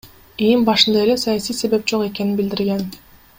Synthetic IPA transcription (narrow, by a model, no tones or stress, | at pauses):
embɑʃɯnd̪ɑe̞le̞sajasijse̞βe̞p̚d͡ʒo̞qe̞ke̞ninbild̪iɾɡe̞n